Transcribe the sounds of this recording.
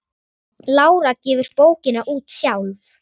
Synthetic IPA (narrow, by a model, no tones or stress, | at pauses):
laːwɾacɛːvʏɾ̥poːwcɪnaʔuːt̪sjawl